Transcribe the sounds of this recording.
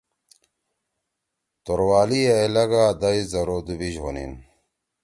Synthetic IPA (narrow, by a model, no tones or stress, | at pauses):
t̪oɾwaːlieelɐɡaːd̪ɐizɐɾod̪ubiʑɦonḭn